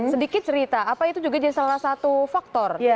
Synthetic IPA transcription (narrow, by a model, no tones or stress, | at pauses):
sədikɪt̪̚t͡ʃəɾit̪aːpait̪ud͡ʒuɡad͡ʒadisalahsat̪ufak̚t̪ɔrj